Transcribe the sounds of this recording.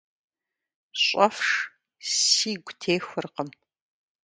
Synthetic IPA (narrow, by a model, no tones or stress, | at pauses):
ɕʼɐfʂ | siːɡʷtʰeːxʷɨrqəm